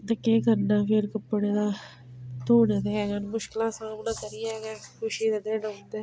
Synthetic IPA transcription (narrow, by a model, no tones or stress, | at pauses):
d̪əkeːkəɾnãːpɪɾkəpːɽeːd̪aː | t̪oːneːd̪eːɛːɡanmʊʃkɪlãːsãːmnãːt̪əɾiːɛːɡɛːkʰʊʃiːd̪eːd̪eːnənd̪eː